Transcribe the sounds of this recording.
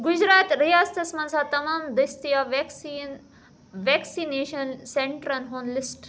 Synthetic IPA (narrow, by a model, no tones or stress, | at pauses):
ɡʊd͡ʒɾaːt̪ɾijaːst̪ɐsmɐ̃nsaːt̪ɐmaːmd̪ɐst̪ijaːʋksin | ʋeːksineːʃɐnseɳʈɾɐnɦoːnlisʈ